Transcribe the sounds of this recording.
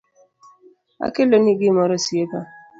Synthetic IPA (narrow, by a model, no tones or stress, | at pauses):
a̰keloniɡimɔɾɔsieka